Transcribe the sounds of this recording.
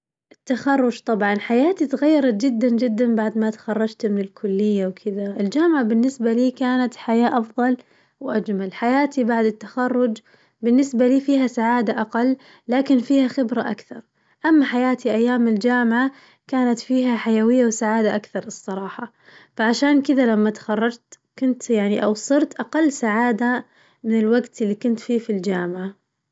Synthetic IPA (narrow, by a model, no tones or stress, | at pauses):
ʔɪt̪ːaxɑrˤːʊd͡ʒt̪ˤɑbʕɑnħajaːt̪it̪ɣajːɑɾˤɑt̪d͡ʒɪd̪ːand͡ʒɪd̪ːanbaʕd̪mat̪ḁxɑrˤːɑd͡ʒt̪mɪnɪlkʰʊlːɪjːawkʰɪðaʔɪld͡ʒaːmʕabɪnːɪsbaliːkaːnat̪ħajaːʔɑfðˤɑl | wʔad͡ʒmalħajaːt̪ibaʕd̪ɪt̪ːaxɑrˤːʊd͡ʒ | bɪnːɪsbaliːfiːɦasaʕaːd̪aʔaqɑlː | aːkɪnfiːhaxɪbɾaʔa̰kθɑɾˤ | ʔamːaħajaːt̪iʔajːaːmɪld͡ʒaːmʕa | kaːnat̪fiːɦaħajawɪjːawsaʕaːd̪aʔakθɑɾˤlɨsˤːɑɾˤɑːħɑ | faʕaʃaːnkɪðalamːat̪xɑrˤːɑd͡ʒt̪ | kʊnt̪jaʕniʔawsˤɨɾt̪ʔaqɑlːsaʕaːd̪a | mɪnɪlwaɡt̪ɪlːikʊnt̪fiːfild͡ʒaːmɪʕa